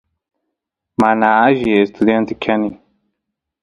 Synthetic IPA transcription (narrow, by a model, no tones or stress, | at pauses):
manaaʒiest̪ʰud̪ent̪ikʰani